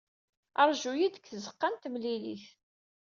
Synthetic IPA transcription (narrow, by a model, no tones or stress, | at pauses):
əɾˤʒujid̪əkθəzəqːant̪mlilḭθ